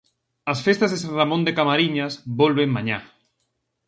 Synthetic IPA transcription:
ɐsfest̪azðesanramõnd̪ekamaɾiɲasbolβeŋmãɲa̰

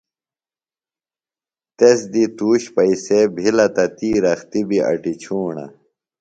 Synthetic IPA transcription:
t̪esd̪it̪uːɕpɐisebʱilɐt̪ɐt̪iːɾɐxt̪ibiʔɐ̰ʈit͡ɕʰuːɳɐ̰

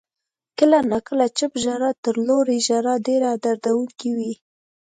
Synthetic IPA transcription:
kəlanakəlat͡ʃəpʒaɾɑt̪əɾloɾiʒaɾɑɖeɾaad̪aɾd̪awuŋkiwi

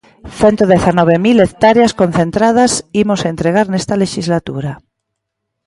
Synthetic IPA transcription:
θent̪oðeθanɔβ̞emilekt̪aɾeaskon̟θent̪ɾað̞asimosaent̪ɾeɣ̞aɾnest̪aleʃizlat̪uɾa

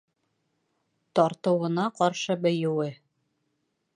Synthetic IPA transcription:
t̪ɒɾt̪ɤ̆wɤ̆nɑqɒɾʃɤbɵ̆jɘ̆wɘ

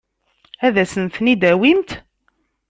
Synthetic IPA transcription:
æðæsənθnid̪æwimt̪

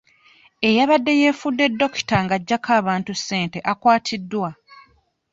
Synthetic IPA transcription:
e̞jaβadːe̞je̞ːfudːe̞dːo̞ki̥taŋɡaɟːakʰaːβaːntusːe̞ːnte̞ʔakwaːtʰidːwa

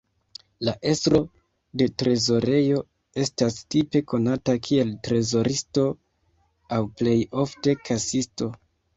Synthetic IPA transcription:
laʔe̞stɾo̞ | de̞tɾe̞zo̞ɾe̞jo̞ | e̞stastipe̞ko̞natakʰie̞ltɾe̞zo̞ɾisto̞ | awple̞jo̞fte̞kʰasisto̞

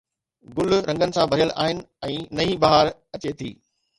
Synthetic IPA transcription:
ɡʊl̤ɾʔɐ̃ŋɡənɪ̆sãbʱɐɾijəla̰ːɦɪnɪ̆ɛ̃ːnɐibaɦaɾ | ɐt͡ɕet̪ʰḭː

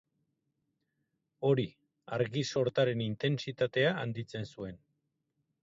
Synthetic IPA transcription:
o̞ɾi | aɾɣiso̞ɾt̪aɾe̞nint̪e̞nsit̪at̪e̞aːnd̪it͡se̞nsue̞n

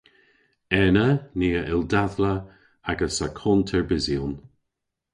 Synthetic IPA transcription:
ɛnəniːəʔɪldaðlə | aɡəsakʰɔntʰɛɹbɪzjun

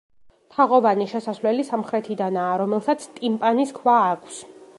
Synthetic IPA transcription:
t̪ʰaʁɔvaniʃɛsasvlɛlisamχɾɛt̪ʰid̪anaːɾɔmɛlˠsat̪sʰt̪ʼimpʼaniskʰvaːkʰs

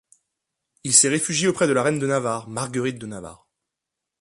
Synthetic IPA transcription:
ilsɛʁefyʒjiopχɛd̪əlaʁɛnd̪ənavaʁmaʁɡəʁit̪̚d̪ənava̰ʁ

